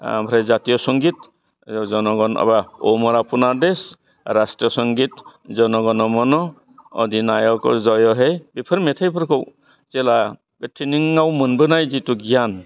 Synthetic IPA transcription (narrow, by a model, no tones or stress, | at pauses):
bʰɾejzatijɔsɔŋɡit | zɔnɔɡɔna̰baɔmɔɾapʰunades | ɾastɾiɔsɔŋɡit̚zɔnɔɡɔnɔmɔnɔ | ɔ̰dinajɔkɔ̰zɔjɔɦejbipʰɯɾmetʰajpʰɯɾkʰɔw | zela | betʰiniŋawmɯnbɯnajzituɡijan